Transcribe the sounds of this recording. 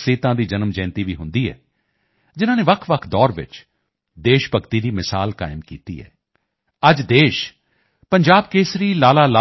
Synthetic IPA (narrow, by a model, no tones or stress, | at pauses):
seːt̪ãːd̪iːd͡ʒənmd͡ʒɛ̃ːnt̪iːʋiːɦʊ̃nd̪iːɛ̰ː | d͡ʒɪnãːneːʋəkʰʋəkʰd̪ɔːɾʋɪ̰t͡ʃ | d̪eːʃpəkt̪iːd̪iːmɪsaːlka̰ːɪmkiːt̪ḭːɦɛ̰ː | əd͡ʒd̪eːʃ | pəɲd͡ʒaːb̚keːsɾiːlaːlaːlaː